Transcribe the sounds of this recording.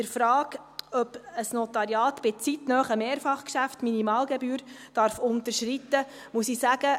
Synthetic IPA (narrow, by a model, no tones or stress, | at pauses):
əɾfɾɑːɡœpəsnɔt̪ɑɾjɑːt̪b̥ɪt͡sit̪nœːχəmeːɾfɑχkʃæftminimɑːlɡɛbyːɾd̥ɑɾfʊntəɾʃɾit̪ːə | musisæɡ̥ə